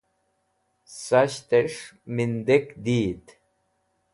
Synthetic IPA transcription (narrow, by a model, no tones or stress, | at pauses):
sɐɕt̪eʂmind̪ekd̪iːd̪